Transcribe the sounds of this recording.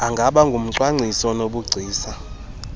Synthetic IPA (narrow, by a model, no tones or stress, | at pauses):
aŋɡʱaɓaŋɡʱum̩ǀwaŋ͡ǀʱisɔnoɓuɡ͡ǀʱiːsa